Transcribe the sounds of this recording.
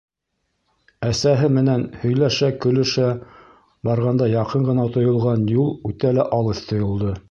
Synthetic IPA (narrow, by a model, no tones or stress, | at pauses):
æsæɦɘmɘ̆nænhɵ̆jlæʃækɵ̆lɵ̆ʃæ | bɑɾʁɑnd̪ɑjɑqɤɴɢɤ̆nɑt̪ŏjŏlˠʁɑnjulˠʉt̪ælæʔɑlˠɤθt̪ʰŏjŏlˠd̪ɤ